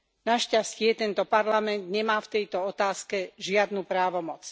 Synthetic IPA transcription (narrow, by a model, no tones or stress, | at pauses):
naʃcascɪɛt̪ɛnt̪ɔpaɾlamɛnd̪ɲɛmaːft̪ɛjt̪ɔɔt̪aːskɛʒɪad̪nuːpɾaːʋɔmɔt͡s